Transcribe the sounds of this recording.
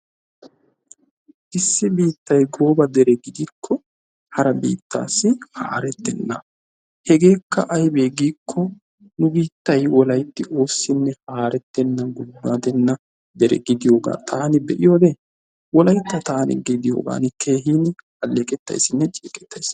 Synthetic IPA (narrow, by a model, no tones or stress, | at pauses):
ʔɪsːɪbiːt̪ːɐjɡo̞ːbɐd̪ɛɾɛɡɪd̪iːkʰːɔ | hɐɾɐbḭːt̪ːa̰ːsːɪha̰ːɾɛt̪ːɛnːɐ̰ | hɛɡe̞ːkːɐʔɐjbe̞ːɡiːkʰːɔ | nʊbiːt̪ːɐjwɔlɐjt̪ːɪʔo̞ːsːɪnːɛhaːɾɛt̪ːɛnːɐɡʊdːaːd̪ɛnːɐ | d̪ɛɾɛ̰ɡɪd̪ɪjo̞ːɡa̰ːt̪ʰaːnɪbɛʔɪjo̞ːd̪ɛ | wɔlɐjt̪ːɐt̪aːnɪ̰ɡɪd̪ɪjo̞̰ːɡa̰ːnɪkʰe̞ːɦiːn | ɐlːeːkʼɛt̪ːɐ̰jsɪnːɛt͡ʃʼeːkʼɛ̥t̪ːɐjs